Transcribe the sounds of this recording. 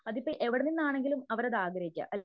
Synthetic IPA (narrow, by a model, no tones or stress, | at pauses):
ɐðipːɐʔe̞ʋiɽɐninːaːɳe̞ŋɡilumɐʋɐɾɐðaːɡɾɐjikʲːɨ̰ʔɐl